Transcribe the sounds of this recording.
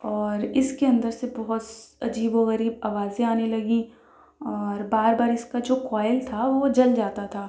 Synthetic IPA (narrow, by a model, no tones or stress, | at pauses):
ɔːɾɪskeɐ̃nd̪əɾsebɔɦʊt̪ɐ̰d͡ʒiːboɣɐɾiːbaːʋaːzẽaːnelɐɡĩ | ɔːɾbaːɾbaːɾɪskad͡ʒoːkaːjəlt̪ʰaʋod͡ʒɐld͡ʒaːt̪at̪ʰaː